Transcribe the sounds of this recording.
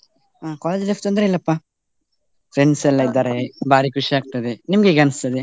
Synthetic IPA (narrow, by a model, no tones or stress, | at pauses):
akɔːleːd͡ʒleft̪ond̪ɾeilːɐpːa | fɾenselɐjd̪aɾebaːɾikuʃiaːk̚t̪ɐd̪enimɡeɡɐnɐst̪ɐd̪e